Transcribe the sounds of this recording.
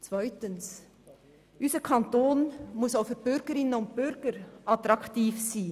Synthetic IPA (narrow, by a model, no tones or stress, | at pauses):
t͡svœʏtəns | ʔyːsəkʰɑntoːnmʊsaʊfəb̥ʏɾɡəɾɪnənʊnd̚bʏɾɡəɾʔɑtɾɑktiːfsiː